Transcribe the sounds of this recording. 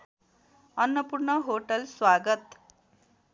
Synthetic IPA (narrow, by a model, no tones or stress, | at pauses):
ʌnːʌpurɳʌɦoʈʌlswaɡʌt̪